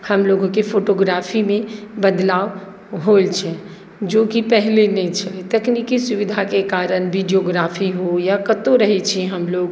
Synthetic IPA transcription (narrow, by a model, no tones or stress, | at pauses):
həmloɡkepʰoʈoɡɾapʰimebəd̪laʋ | ɦolt͡ʃʰɛ | d͡ʒokipəɦlenɛt͡ʃʰɛt̪əknikisuʋid̪ʱakekaɾənbiɖioɡɾapʰiɦojakət̪oɾəɦɛt͡ʃʰiɛɦəmloɡ